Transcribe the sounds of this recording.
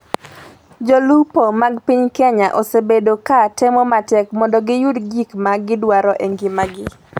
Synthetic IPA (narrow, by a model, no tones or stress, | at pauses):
d͡ʒolupomaɡpiɲkeɲaʔɔsebedokatɛmɔmatɛkmɔndɔɡɪjudd͡ʒikmaɡɪdwaɾɔʔeŋɡɪmaɡɪ